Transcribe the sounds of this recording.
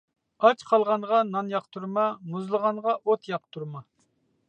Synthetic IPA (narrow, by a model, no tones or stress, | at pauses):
ɑt͡ʃqʰɑlˠʁɑnʁɑnɑnjɑqt̪ʰuɾmɑmuzlˠəʁɑɴʁɑʔot̪ʰjɑq̚t̪ʰuɾmɑ